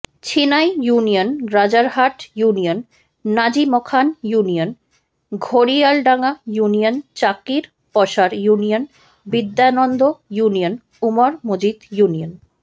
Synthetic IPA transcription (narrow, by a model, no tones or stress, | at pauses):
t͡ɕʰinajjunijonɾad͡ʑaɾɦaʈjunionː | ad͡ʑimɔkʰanjunijon | ɡʱoɾialɖaŋajuniont͡ɕakiɾ | pɔʃaɾjunijon | bid̪ːanɔnd̪ʱojunion | umaɾmod͡ʑid̪junijon